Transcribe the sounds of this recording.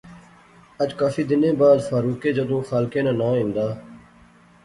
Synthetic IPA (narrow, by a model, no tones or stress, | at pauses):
əd͡ʒkaːfiːd̪ɪnẽːbaːd̪faːɾuːkeːd͡ʒəd̪õːxaːlkẽːnãːnãːĩnd̪aː